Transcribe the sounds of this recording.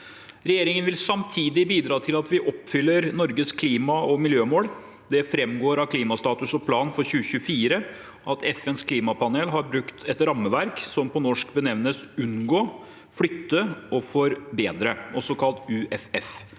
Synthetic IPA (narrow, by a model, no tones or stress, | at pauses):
ɾɛjeːɾɪŋənʋɪlsɑmt̪ʰiːd̪ɪbiːd̪ɾɑːt̪ʰɪlɑt̪ʋɪʔɔpːfʏlːəɾnɔɾɡəskʰliːmɑɔmɪljøːmoːl | d̪ɛfɾɛmɡoːɾɑkʰliːmɑst̪ɑːt̪ʉsɔpʰlɑːnfɔɾɕʉːəçʉəfiːɾə | ʔɑt̪ʰɛfɛnskʰliːmɑpʰɑneːlɦɑɾbɾʉkt̪ʰɛt̪ɾɑmːəʋæɾksɔmpʰɔnɔʂkbənɛʋnəsʉnɡoː | fɽʏt̪ːəʔɔfɔɾbeːd̪ɾəʔɔsɔkʰɑlt̪ʉːʔɛfɛf